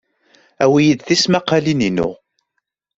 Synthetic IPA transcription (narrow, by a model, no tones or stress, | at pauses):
æwijid̪θismaqːalininʊ̰ʁ